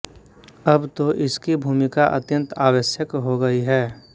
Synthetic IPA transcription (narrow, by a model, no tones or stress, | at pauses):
ɐbt̪oʔɪskibʱuːmɪkaʔɐ̰t̪jə̃nt̪aːʋəʃjəkɦoɡɐiɦɛː